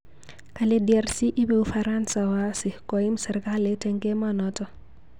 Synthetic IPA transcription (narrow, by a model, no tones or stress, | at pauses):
kalediɛrsiʔibeufaɾansawasɪkɔimsɛrkaletɛŋɡemanɔtɔ